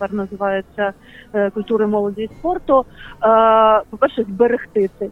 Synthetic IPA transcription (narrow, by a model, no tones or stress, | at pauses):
pɛrnɐzɨvajɛt̪sʲːɐ | kʊlʲt̪uɾɨmɔlˠɔd͡zʲijspɔrt̪ʊ | pɐpɛrʂɛzʲbɛɾɨxt̪ɪt̪ɪ